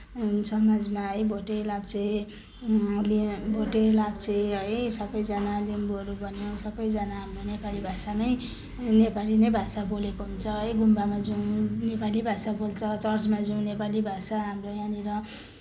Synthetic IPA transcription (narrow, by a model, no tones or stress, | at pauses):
sʌmad͡zmaɦʌjbʱoʈelabt͡sei | libʱoʈelabt͡sʌɦʌjsʌbʌjd͡zʌnalimbʌɾubʱʌnjosʌbʌjd͡zʌnaɦamronepalibʱasanʌj | nepalinejbʱasabolekoɦunt͡sʰʌɦʌjɡʱumbamad͡zunepalibʱasabolt͡sʰʌt͡sʌrt͡smad͡zũnepalibʱasaɦamrojaniɾʌ